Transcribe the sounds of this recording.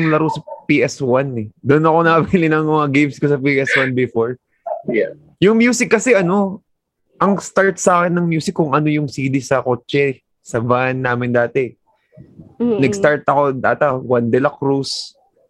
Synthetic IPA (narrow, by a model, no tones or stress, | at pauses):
ŋlɐɾosɐpiʔɛswanɛd̪onɐko̞nɐkɐbilɪnɐŋmɐŋɐɡejmskosɐpiʔɛswanbɪfoɹ | jʊŋmjuːsɪkːɐsɛʔɐno̞ | ʔɐŋst̪aɹt̪̚saːkɛnːɐŋmjuːsɪkːʊŋɐnojʊŋsiːd̪ɪsɐko̞ːt͡ʃɛ | sɐbanːaːmɪnd̪aːt̪ɛ | nɐɡst̪aɹt̪ɐko̞d̪a̰ːt̪ɐwɐnd̪ɛlɐkɾus